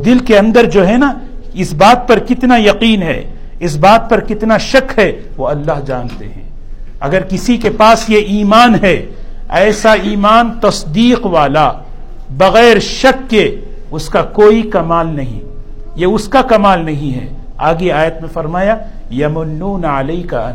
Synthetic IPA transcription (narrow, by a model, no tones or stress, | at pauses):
d̪ɪlkeɐ̃nd̪əɾd͡ʒoːɦɛna | ɪsbaːt̪̚pɐɾkɪt̪najɐqiːnɦɛ̰ | ɪsbaːt̪̚pɐɾkɪt̪naʃɐkɦɛ | ʋoɐlːaːɦd͡ʒaːnt̪ḛɦɛ̰̃ː | ɐ̰ɡəɾkɪsikepaːsjeʔiːmaːnɦɛ | ɛːsaiːmaːnt̪ɐsd̪iːqʋaːla | bɐɣɛːɾʃɐkːe | ʊskakoːikɐmaːlnɐɦḭ̃ | jeʊskakɐmaːlnɐɦĩɦɛ̰ | aːɡeaːjət̪mẽfɐɾmaːja | jɐmʊlːuːnɐleɪkɐɐn